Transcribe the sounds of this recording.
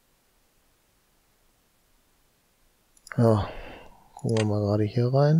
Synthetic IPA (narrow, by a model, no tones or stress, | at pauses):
jaː | kʰʊkŋvamaːɡʁaːɾəhiːɐʁaɪn